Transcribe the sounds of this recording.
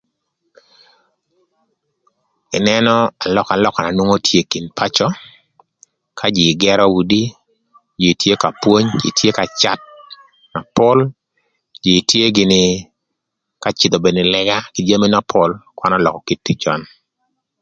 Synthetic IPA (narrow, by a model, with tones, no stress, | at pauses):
ɪ˨nɛ˦nɔ˦a˨lɔ˦ka˨lɔ˦ka˨na˨nwo˦ŋo˦tʰje˦ki˨npʰa˦t͡ʃɔ˦ | kʰa˦d͡ʒɪ˨ɡɛ˦ɾɔ˦wu˨di˦ | d͡ʒi˨tje˦ka˨pwo˦ɲd͡ʒḭ˨tje˦ka˨t͡ʃa˦t̚ | na˨pʊ˦l | d͡ʒi˨tje˦ɡɪ˨nɪ˨ | ka˦t͡ʃɪ˨d̪o˨be˨nɪ˨lɛ˦ɡa˦ki˨d͡ʒa˦mi˦na˦pʰɔ˦lkwa˦na˦lɔ˨kɔ˨ki˦tːi˦t͡ʃɔ˦n